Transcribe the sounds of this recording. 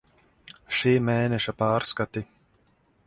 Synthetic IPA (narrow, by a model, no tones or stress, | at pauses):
ʃiːmeːnɛʃapaːɾskat̪i